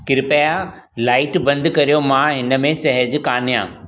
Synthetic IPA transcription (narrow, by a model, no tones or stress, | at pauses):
kɪɾɪpaja | laːɪʈbɐ̃nd̪kɐɾijomãɦɪnə̆mẽsɐɦəd͡ʑkaːn̤ijã̰ː